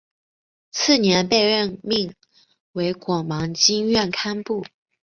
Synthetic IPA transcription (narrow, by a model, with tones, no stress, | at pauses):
t͡sʰɹ̩˥˩njɛ˧˥npe˥˧ɪɻə˥˧nmi˥˩ŋ | we˧˥ɪkwɑ˨˩ŋmɑ˧˥ŋt͡ɕi˥ŋɥɛ˥˩nkʰa˥npu˥˩